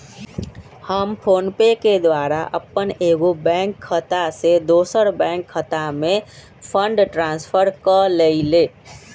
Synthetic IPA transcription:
həmpʰoːnpeked̪waɾa̰ʔəpːəneɡobɛ̃ŋkʰːət̪ased̪osəɾbɛ̃ŋkʰːət̪ame | pʰəɳɖʈɾãnspʰəɾkəleɪle

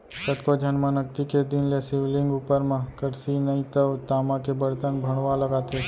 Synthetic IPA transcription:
sət̪kod͡ʒʱənmãnək̚t̪iked̪ɪnlesɪʋlɪ̃ŋɡupəɾmãkəɾsinəĩt̪əʋt̪aːmãkebəɽt̪ənbʱəɽ̃ʋaləɡat̪e

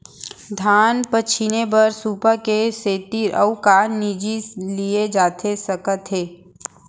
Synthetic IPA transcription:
d̪ʱaːnpət͡ʃʰinebəɾsuːpakeseːt̪iɾʔəʊkaːnid͡ʒilied͡ʒaːt̪ʰesɐkət̪ɦeː

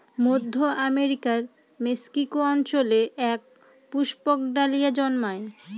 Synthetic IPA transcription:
mod̪ʱːoʔameɾikaɾ | meskikoɔnt͡ɕoleʔɛk̚ | puʃpok̚ɖalijad͡ʑɔnmae

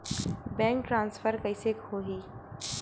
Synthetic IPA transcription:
bɛ̃ːŋk̚ʈɾãːnsfəɾkɐɪsekoːɦiː

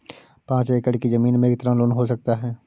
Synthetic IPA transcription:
pãːt͡ʃeːkəɽkizɐmiːnmẽɪkt̪əɾãlʊnɦosɐk̚t̪aɦɛː

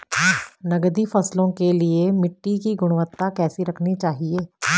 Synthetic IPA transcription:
nəɡd̪iːpʰəslõːkeːlɪeːmɪʈːiːkiːɡʊɽ̃ʋət̪ːaːkɛːsiːɾəkʰnit͡ʃaːɦieː

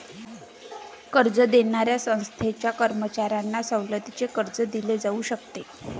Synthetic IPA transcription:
kəɾd͡zəd̪eɳaɾjasə̃w̃st̪ʰet͡ɕjakəɾmət͡ɕaɾanːasəwləd̪it͡sekəɾd͡zəd̪iled͡zauːɕək̚t̪e

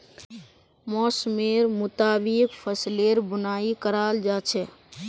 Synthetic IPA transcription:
mɔsmeɾmʊt̪aːbikpʰəsleɾbunaikəɾald͡ʒat͡ʃʰɛ

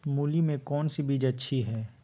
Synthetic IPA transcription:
muːlimẽkɔːnsibiːd͡ʒɐtːʃʰiɦɛː

